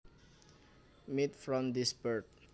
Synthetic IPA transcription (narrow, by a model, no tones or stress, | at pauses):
mitfɹɔ̃md̪isbəɹd̚